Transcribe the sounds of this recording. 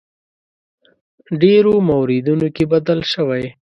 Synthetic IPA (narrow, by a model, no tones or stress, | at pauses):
ɖeɾomawɾid̪unokebad̪əlʃəwaj